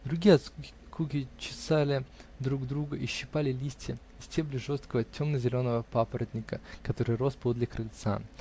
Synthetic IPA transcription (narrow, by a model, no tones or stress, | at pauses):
d̪ɾʊɡʲijəɐt̪sku | kukʲɪt͡ɕɪ̥salʲɪd̪ɾuɡd̪ɾuɡəʔiɕːɪpalʲɪlʲisʲtʲɪ | ɪsʲtʲeblʲɪʐo̞st̪kəvətʲo̞mnəzʲɪlʲo̞nəvəpapəɾəd̪ʲnʲɪkəkɐt̪o̞ɾɨjro̞st̪̚pod̪lʲɪkɾɪlʲt̪sa̰